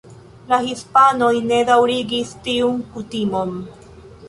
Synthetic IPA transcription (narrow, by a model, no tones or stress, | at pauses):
lahispanojned̪awɾiɡist̪iuŋkut̪imom